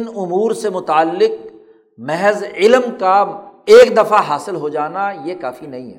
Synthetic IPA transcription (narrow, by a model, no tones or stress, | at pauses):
nʊmuːɾsemʊt̪aːlːɪk̚ | mɛɦzɪlmkaeːkd̪ɐfaɦaːsɪlɦod͡ʒaːnajekaːfinɐɦĩɦɛ̰ː